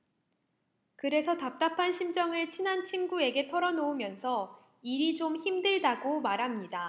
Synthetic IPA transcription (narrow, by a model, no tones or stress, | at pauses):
kɯɾe̞sʰʌtap̚t͈apʰanɕʰimd͡ʑʌŋɯɭt͡ɕʰinɦant͡ɕʰinɡue̞ɡe̞tʰʌɾʌnoumjʌnsʰʌ | iɾid͡ʑomçimdɯɭdaɡomaɾɦamɲida